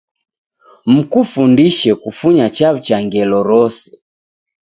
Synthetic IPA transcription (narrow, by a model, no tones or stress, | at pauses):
m̩kufundiʃɛkufuɲat͡ʃat͡ʃaŋɡɛlɔɾɔsɛ̥